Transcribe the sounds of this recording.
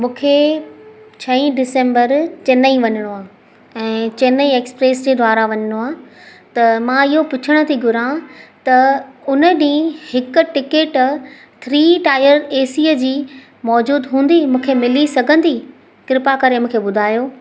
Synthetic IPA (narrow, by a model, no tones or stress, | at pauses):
mũːkʰe | t͡ɕʰɐĩɖɪsẽːmbəɾt͡ɕɐnəĩʋɐɲəɽ̃oãː | ɛ̃ːt͡ɕɐnəĩeːkspɾeːsd͡ʑeːd̪ʱʋaːɾaʋɐɲəɽ̃oaːt̪ɐmãːɪɦopʊt͡ɕʰəɽ̃ə̆t̪ʰiɡʱʊɾãt̪ɐʊnəɗĩːhɪkʊ̆ʈɪkeːʈ | t̪ʰɾiːʈaːɪjəɾeːsiːəd͡ʑiː | mɔːd͡ʑuːd̪ɦũːnd̪imũːkʰemɪlisɐɡʱə̃nd̪i | kɪɾɪpakɐɾemũːkʰeɓʊd̪ʱaːjoː